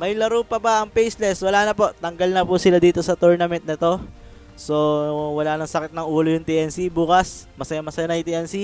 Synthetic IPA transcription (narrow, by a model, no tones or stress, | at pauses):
mɐjlɐɾuːpɐpɐɐŋpejslɛswɐlaːnɐpo̞ʔt̪ɐŋɡɐlnɐpusɪlad̪iːt̪o̞sɐt̪uɹnɐmɛnt̪̚nɐt̪o̞ | so̞wɐlaːnɐŋsɐkɪt̪̚nɐŋʔuːlojʊŋt̪iʔɛnsibuːkɐsmɐsɐjamɐsɐjanɐjt̪iʔɛnsi